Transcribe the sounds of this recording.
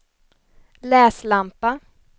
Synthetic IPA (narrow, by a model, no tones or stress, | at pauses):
lɛːslampa